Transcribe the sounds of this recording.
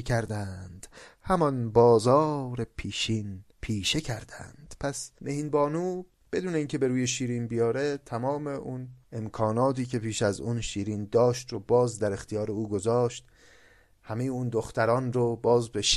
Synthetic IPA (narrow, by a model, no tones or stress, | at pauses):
cʰæɾd̪ænd̪̥hæmɒnbɒːzɒːɾe̞pʰiːʃiːnpʰiːʃe̞cʰæɾd̪æ̰nd̪̥pʰæsmehiːnbɒːnuː | b̥e̞d̪uːne̞iːncʰe̞be̞ɾuːje̞ʃiːɾiːnbijɒːɾe̞t̪ʰæmɒːme̞ʔunemkʰɒːnɒːt̪ʰiːcʰe̞pʰiːʃæzunʃiːɾiːnd̪ɒːʃt̪ɾobɒːzd̪æɾext̪ijɒːɾe̞uːɡo̞zɒːʃt̪ | hæme̞jeund̪oxt̪æɾɒːnɾobɒːzbeʃ